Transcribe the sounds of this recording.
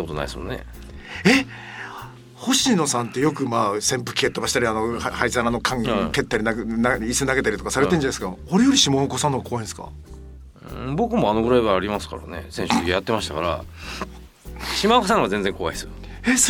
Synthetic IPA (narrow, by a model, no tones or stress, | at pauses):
akot̪oa̰isɨmonːḛ | e̞ | ho̞ɕĩno̞sãnt̪ːe̞jo̞kɯ̟maːsẽ̞mpɯ̟̥kʲi̥ket̪ːo̞baɕi̥t̪aɾʲianohaisaɾano̞kʰãŋke̞t̪ːaɾʲinanaisɨnaɡe̞t̪aɾʲit̪o̞kasaɾet̪ẽd͡ʑanaesɨkaoɾe̞jo̞ɾʲiɕimakosãnːoɡako̞βaĩsɨ̥kã̰ | bo̞kɯ̟mo̞ano̞ɡɯ̟ɾaiβaːɾʲimasɨ̥ka̰ɾa̰ne̞̰sẽ̞ɕuijat̪ːemaɕi̥t̪akaɾa̰ | ɕimakosãŋ̃ɡazẽñd͡zẽ̞ŋko̞βaisɨ | es